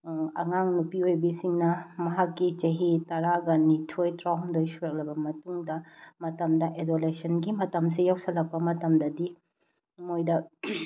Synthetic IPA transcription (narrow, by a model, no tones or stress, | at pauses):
ɐ̰ŋaŋnupiojbisiŋnɐmɐɦakːit͡ʃɐɦitɐɾaɡɐnitʰojtɾawndojsuɾɐk̚lɐbɐmɐtuŋdɐmɐtɐmdɐʔedolesɐnɡimɐtɐms̬ijawsɐlɐk̚pɐmɐtɐmdɐdi | mojdɐ